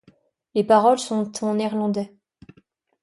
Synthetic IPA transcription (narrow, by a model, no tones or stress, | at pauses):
lepaʁɔlsɔ̃t̪ʰɑ̃nɛʁlɑ̃d̪ɛ